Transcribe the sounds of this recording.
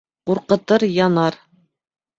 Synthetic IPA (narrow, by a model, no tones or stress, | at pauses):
quɾqɤ̆t̪ɤɾjɑnɑɾ